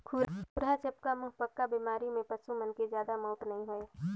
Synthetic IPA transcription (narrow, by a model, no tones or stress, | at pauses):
kʰuːɾpʊɾat͡ʃɐp̚kamʊɦpəkːabiːmaːɾimẽpəsumənkezjaːd̪amɔːʈ̪nɐɦĩɦoe